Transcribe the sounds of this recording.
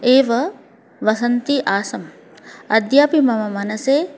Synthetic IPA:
eːʋɐ | ʋɐsɐnt̪iʔaːsɐm | ɐd̪ʱjaːpimɐmɐmɐnɐseː

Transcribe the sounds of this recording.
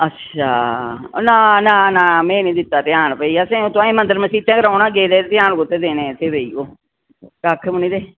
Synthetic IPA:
ətːʃʃʰaːnaːnaːnãːmɛ̃ːnĩːd̪ɪt̪ːaːt̪ɪjaːnpəiːasẽːõːt̪ʊãːĩːmənd̪əɾmə̃siːt̪ẽːkəɾaːnaːɡeːd̪eːt̪ɪjaːnkot̪eːd̪eːnẽːt̪ʰeːbeiːoː | kaːkʰːmənĩːd̪eː

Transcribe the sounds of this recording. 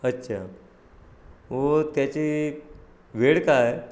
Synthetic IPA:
ətːɕʰa | ʋot̪jat͡ɕi | ʋeɽkaj

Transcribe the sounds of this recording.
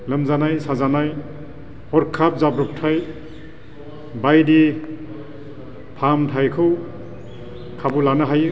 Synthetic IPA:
ləmzanajsazanaj | hɔɾkʰap̚zabɾɔp̚tʰaj | bajdi | pʰamtʰajkʰɯw | kʰabulanaɦaj

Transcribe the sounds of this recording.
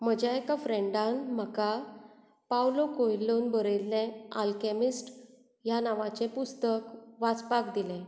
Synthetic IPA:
m̤əd͡ʑaekafɾẽɳɖãnm̤əka | pawlokojlːonbəɾelːẽalkemisʈ | janaʋãt͡sẽpust̪əkʋat͡spakd̪ilẽ

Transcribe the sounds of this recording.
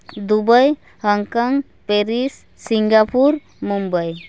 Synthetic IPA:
d̪ubəj | həŋkɔŋ | peɾisːiŋɡapuɾ | mumbəj

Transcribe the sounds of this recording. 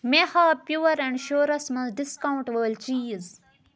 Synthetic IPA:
mehaːpjuːɐɾɛ̃ɳɖʃoːɾɐsmɐ̃zɖiskaw̃ɳʈʋəːlt͡ʃiːz

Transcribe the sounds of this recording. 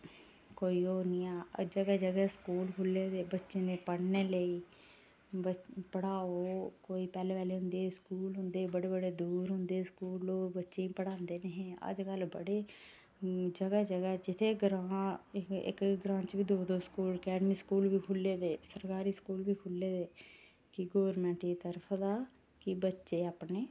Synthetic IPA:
koːiːoːnĩːɛːə̰d͡ʒəɡɛd͡ʒəɡɛskuːlkʰʊlːeːd̪eːbətːʃẽːneːpəɽneːləiː | bəpəɽaːoːkoːiːpɛːleːʋɛːleːɦʊ̃nd̪eːskuːlɦʊ̃nd̪eːbəɽeːbəɽeːd̪uːɾɦʊ̃nd̪eːskuːloːbətːʃẽːĩpəɽãːnd̪eːneɦɛ̃ːə̰d͡ʒkəlbəɽeː | d͡ʒəɡaːd͡ʒəɡad͡ʒɪt̪ʰeːɡɾãː | ɪ̰kɡɾãːt͡ʃbiːd̪oːd̪oːskuːlkɛːɖmiːskuːlbʱiːkʰʊlːeːd̪eːsəɾkaːɾiːskuːlbʱiːkʰʊlːeːd̪eː | kɪɡoːʋəɾmɛ̃ːɳʈit̪əɾpʰd̪aː | kɪbətːʃeːəːpneː

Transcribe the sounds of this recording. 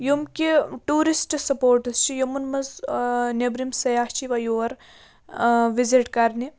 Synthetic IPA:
jumkʲiʈuːɾisʈsɐpoːɾʈɐst͡ʃʰijomɐnmɐznebɾimsɐjaːht͡ʃiʋɐjoɐɾ | ʋiziʈkɐɾni

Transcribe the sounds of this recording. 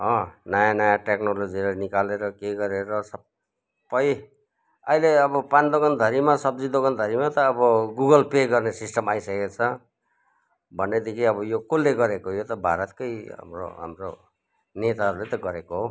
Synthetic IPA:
ɦʌ̃najanajãʈeknoloiɾʌnikaleɾʌkeɡʌɾeɾʌsʌ | pːʌj | ʌileʌbʌpand̪oɡʌnd̪ʱʌɾimasʌb̚d͡zid̪oɡʌnd̪ʱʌɾimat̪ʌːbʌɡuɡʌlpeɡʌrnesisʈʌmajsʌket͡sʰʌ | bʱʌnːed̪ikʰiʌbʌjokolːeɡʌɾekojot̪ʌbʱa̰ɾʌt̪kʌja̰mro̰ɦa̰mro | net̪aɦʌɾulet̪ʌɡʌɾekoɦo

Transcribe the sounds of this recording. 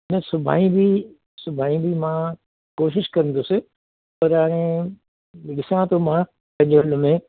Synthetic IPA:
nə̃sʊbʱa̰ːĩbʱi | sʊbʱaːĩbʱimã | koːʃɪʃkɐɾə̃n̆d̪osɪ | pɐɾaːɽ̃ẽ | ɗɪsãt̪omã | kɐ̃ɲɦʊlmẽ

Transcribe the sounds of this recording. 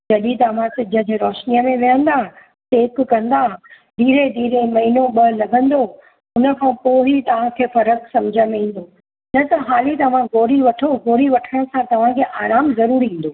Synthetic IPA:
d͡ʑɐd̪it̪ɐʋ̤ãsɪd͡ʑə̃d͡ʑeɾɔːʃnijəmẽʋɪjə̃nd̪ãː | t̪eːkkɐ̃nd̪aːɦ | ɖiːɾeɖ̪iːɾemɐɦiːnoɓɐlɐɡʱə̃nd̪o | ʊnə̆kʰãpoːɦit̪ɐʋ̤ãkʰeːfɐɾəksɐ̃md͡ʑʱə̃mẽːn̆d̪o | nɐt̪ɐɦaːlit̪ɐʋ̤ãɡoːɾiʋɐʈʰoɡoːɾiʋɐʈʰəɽ̃sãt̪ɐʋ̤ãkʰeːʔaːɾaːmzɐɾuːɾɦĩːn̆d̪oː

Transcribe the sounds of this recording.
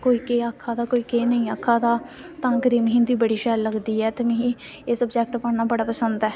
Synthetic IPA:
koːiːkeːaːkʰːaːd̪aːkoːiːkeːnəĩːaːkʰːaːd̪aː | t̪ãːɡəɾiːmɦɪ̃nd̪iːbəɽiːʃɛːlːəɡd̪iːɛːt̪emɛ̃ːɦĩː | eːsəbd͡ʒɛːk̚ʈpəːnaːbəɽaːpəsənd̪ɛː

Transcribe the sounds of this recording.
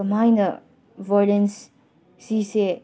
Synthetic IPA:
ɐmajnɐ | vɔlens | sise

